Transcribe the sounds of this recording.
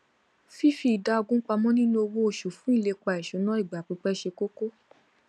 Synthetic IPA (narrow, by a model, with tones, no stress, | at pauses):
fi˦fi˧˦i˨da˨˦o˧ɡũ˦k͡pa˧mɔ̃˦nĩ˦nũ˦o˧wo˦o˧˨ʃu˨fũ˨˦i˦˨le˧k͡pa˧˨ɛ˨ʃũ˨˦nã˦i˦˨ɡ͡ba˨k͡pi˨˧˦k͡pɛ˦ʃe˧ko˦ko˦